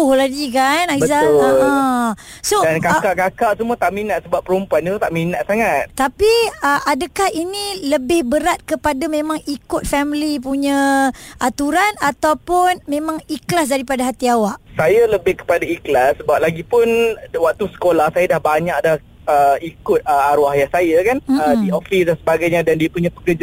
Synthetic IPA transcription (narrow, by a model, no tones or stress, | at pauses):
ohlaɡikanajəzanã | sodankakaʔkakaʔsəmuat̪aʔmĩnat̪̚səbapːəɾumpuanit̪ut̪aʔminat̪̚saŋat̪̚t̪apiəʔadakahiniləbɪhbəɾat̪̚kəpadamẽmãŋikʊt̪̚fɛmlip̬uɲãʔat̪uɾanat̪awpʊnmẽmãŋiklas̬daɾipadaɦat̪iawaʔsajaləbɪhkə̥padaiklasəbap̚laɡipʊnwak̚t̪usə̥kolahsajadahbaɲak̚daah | əikʊt̪̚əaɾuahjahsajakanədiofisdansəbaɡajɲadandiəpuɲãpəkəd͡ʒ